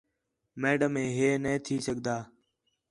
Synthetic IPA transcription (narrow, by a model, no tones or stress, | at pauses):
meːɖəmẽːɦeːnə̃ːt̪ʰiːsəɠd̪aː